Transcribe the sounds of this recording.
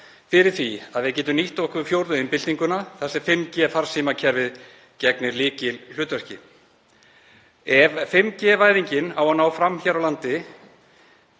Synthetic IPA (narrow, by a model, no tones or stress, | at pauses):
fɪɾɪɾ̥θviaðvɪðcɛːt̪ʏmniht̪ɔhkʏfjowɾðʏɪnpɪlt̪iŋkʏnaθasɛfɪmːcɛːfaɾ̥siːmacʰɛɾvɪð | cɛknɪɾlɪːcɪll̥ʏːt̪vɛr̥cɪ | ɛvfɪmːcɛːvaːjðiɲcɪnawhanːawfɾamçɛɾawlant̪ɪ